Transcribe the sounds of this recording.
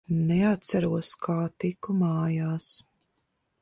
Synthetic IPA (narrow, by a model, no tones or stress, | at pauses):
nɛat̪̚saɾuɔskʰaːt̪ikumaːjaːs